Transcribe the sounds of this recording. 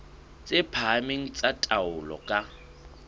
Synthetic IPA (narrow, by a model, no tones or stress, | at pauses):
t͡sʼepʰameŋ̩t͡sʼatʼaʊlɔ̰kʼa